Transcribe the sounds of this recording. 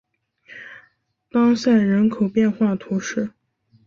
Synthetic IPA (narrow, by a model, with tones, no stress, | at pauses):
t̪ɑ˥ŋsa˥˩ɪɻə˧˥nkʰo˨˩ʊpjɛ˥˧nxwa˥˩t̪ʰu˧˥ʂɻ̩˥˩